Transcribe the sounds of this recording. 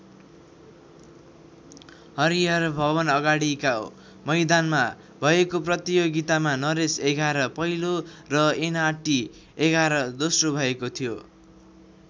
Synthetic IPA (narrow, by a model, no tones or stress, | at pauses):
hʌɾijʌrbʱʌβʌnʌɡaɽika | mʌjd̪anma | bʱʌekoprʌt̪ijoɡit̪amanʌɾeseɡʱaɾʌpʌɦilorʌenaʈi | eɡʱaɾʌd̪osrobʱʌekot̪ʰijo